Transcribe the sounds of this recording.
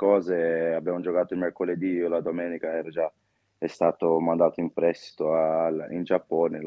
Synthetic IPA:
kɔːzeabːjaːmod͡ʒokaːt̪oilmerkoled̪iolad̪omɛːnikaɛːɾad͡ʒa | ɛst̪aːt̪omand̪aːt̪oimpɾɛst̪i̥t̪oalind͡ʒapːɔːne

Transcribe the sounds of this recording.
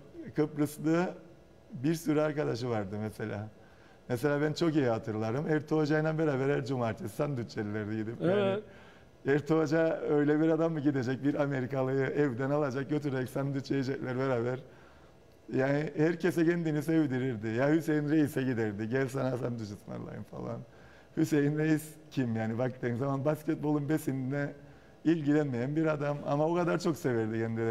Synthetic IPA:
kʰɯpɾɯslˠɯ | biɾsyɾɛaɾkad̪aʃɯvaɾd̪ɯmɛse̞lʲa̰ː | mese̞lʲaːbænt͡ʃʰo̞kijihat̪ʰɯɾlˠaɾɯmɛɾt̪ʰo̞d͡ʒajɯnanbeɾaːbɛɾhæɾd͡ʒumaːɾt̪ʰessand̪yt̪t͡ʃelilʲɛɾd̪ijɟid̪ipjaːnɪ | ɛɾt̪ʰod͡ʒaø̞jlʲɛbiɾad̪amːɯɟid̪ed͡ʒɛc̚biɾame̞ɾikalˠɯjɯʔɛvd̪ænalˠad͡ʒak̚ɟøt̪ʰyɾeɛcsand̪yt͡ʃejid͡ʒɛclʲæɾbeɾaːbæɾ | jaːnihæɾcʰes̬ɛɟɛnd̪inisevd̪iɾiɾd̪ɪjahyse̞jinɾejisɛɟid̪ɛɾd̪iɟɛlʲsanasand̪yʃɯsma̰nlˠa̰jɯ̰nfa̰lˠa̰n | hyse̞jinɾejiscʰimjaːnibak̚t̪ɯnzamanbascɛt̪̚bolˠunbesind̪inɛ | ilʲɟilʲænmejænbiɾad̪ama̰maokad̪aɾt͡ʃʰo̞ksevɛɾd̪iɟɛnd̪i

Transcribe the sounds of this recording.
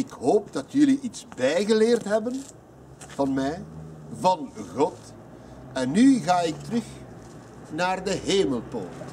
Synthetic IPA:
ɪkɦoːp̚dɑtjɵliʔitsbɛjɣəleːrtɦɛbən | v̥ɑnmɛjvɑnɣɔt | ɛnːyɣaːɪk̚tərɵx | naːrdəɦeːməlˠpo̰ːt

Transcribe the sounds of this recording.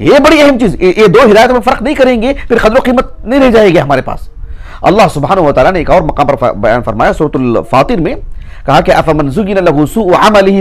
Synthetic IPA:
jeːbɐɽiɐɦɛmt͡ʃiːzjed̪oːɦɪd̪aːjət̪mɐfɐɾqnɐɦĩkɐɾẽːŋɡepʰɪɾqɐd̪ɾoqiːmət̪̚ | nɐɦĩɾɛɦd͡ʒaːeɡeɦɐmaːɾepa̰ːs | ɐ̰lːaːɦsʊbɦaːnɐɦuʋɐt̪aːlaneːkɔːɾmɐqaːmpɐɾ̰bɐja̰ːnfɐɾmaːjasuːɾət̪ʊlfaːt̪ɪɾmẽ | kɐɦakeʔɐfɐmɐnzʊɡɪnalɐɦusuːʔʕamɐlɪɦ

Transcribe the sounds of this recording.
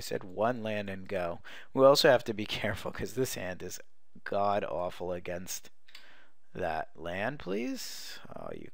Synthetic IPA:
ɪsɛ̰d̚wʌ̃nlæ̃ndɨ̃nɡoʊ | wiɔlˠsoʊhæftɨbikʰɛɹfl̩ˠkʰʌzðɪshæ̃ndɨz | ɡ̥ɑɾɔ̰fl̩ˠəɡɛ̃nst̪ | ðə̰t̚læ̃n̚pʰl̥iz̥ | o̰jɨ̰

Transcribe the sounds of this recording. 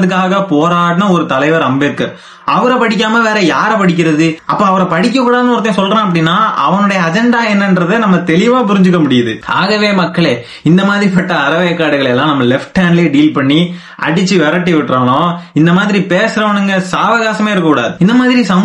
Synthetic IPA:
ðɯk̬ːaːɣɐpoːɾaːʈɐnɐ̃ɔɾɯt̪ɐlɐɪʋɐɾɐmbekːɐɾ | ɐʋɐɾɐpɐɽɪk̬ʲːaːmɐʋeːɾɐjaːɾɐpɐɽɪk̬ʲːɪɾɐðɯɐpːoːɐʋɐɾɐpɐɽɪk̬ʲːɐkːuːɽaːðɐnɯɔɾɐt̪ːẽsɔlrẽːɐp̬ːɐɽɪnːaːʔɐ̰ʋɐnɯɽɐjɐːd͡ʒɛɳɖaːɛnːɐndɾɐðɯnɐmːɐt̪ɛɭɪʋaːpʊɾɪɲd͡ʒɯk̬ːɐmʊɽɪjɐðɯaːɣɐʋeːmɐkːɐɭeː | ɪnd̪ɐmaːðɪɾipɐʈːɐːɾɐʋɐjɐkːaːɽɯɣɐɭɛlːãːnɐmːɐlɛfʈːaːnleːɖiːlpɐɳːi | ɐ̰ɽɪt͡ʃːɯʋɛɾɐʈːɯʋɪʈːraːɳõɪnd̪ɐmaːðɪɾipeːsɯɾɐʋɐɳɯŋɡɐsaːʋɐɣaːsɐmeːɪɾɯkːɐkuːɽaːðɯɪnd̪ɐmaːðɪɾisɐm

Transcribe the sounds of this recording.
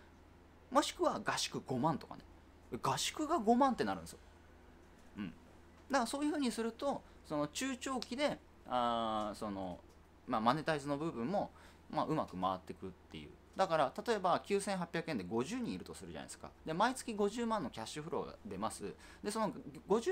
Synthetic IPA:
mo̞ɕi̥kɯ̟βaɡaɕi̥kɯ̟ɡ̥o̞mãnt̪o̞ka̰ne̞ | eɡaɕi̥kɯ̟ɡaɡo̞mãnt̪e̞naɾɯ̟̃nesjo̰ | ɯ̟̃ɴ | d̪akso̞ːjɯ̟ɸɯ̟ːɲ̟isɨɾɯ̟t̪o̞ | so̞no̞t͡ɕɨːt͡ɕo̞ːkʲid̪e̞ | aso̞no̞̰ | mamane̞t̪aizɨno̞bɯ̟bɯ̟̃mːo̞ | maʔɯ̟makɯ̟maat̪ːe̞kɯ̟t̪ːe̞̰jɯ̟̰ː | d̪akaɾat̪at̪o̞e̞bakʲɨːsẽ̞ɰ̃ɦapʲjakɯ̟e̞nd̪e̞ɡo̞ʑɨːɲ̟ĩiɾɯ̟t̪o̞sɨɾɯ̟ʑa̰na̰isɨ̥ka̰d̪e̞mait͡sɨ̥kʲiɡo̞ʑɨːmãnːo̞kʲaɕɨɸɯ̟ɾo̞̰ɡa̰d̪e̞masɨ | d̪e̞so̞noɡo̞

